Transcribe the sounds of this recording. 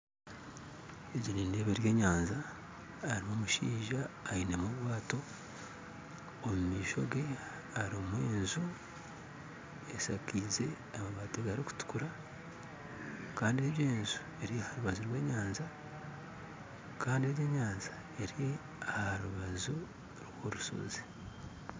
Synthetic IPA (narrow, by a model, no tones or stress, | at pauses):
eɟiɾiːnde̞βeɾje̞ːɲaːnzaː | ɾimomuʃḭːʒaːine̞muβwaːto̞ | mumiːʃo̞̰ɡe̞ | aɾomwe̞ːnzu | e̞sakize̞ | amaβaːteɡaɾiku̥tu̥kuɾa | kaːndie̞eːnzu̥ | e̞ɾihaɾuβazuɾwe̞ːɲaːnza | kʰaːndiejeːɲaːnza | e̞ɾi | ahaɾuβazu | ɾwoɾuso̞̰zi̥